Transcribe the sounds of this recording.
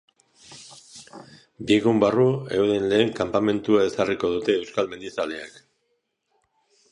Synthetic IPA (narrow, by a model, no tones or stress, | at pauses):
bieɣumbarue̞wðe̞nle̞ːŋkampame̞nt̪uae̞sariko̞ðut̪e̞ːwskalme̞nd̪it͡saleak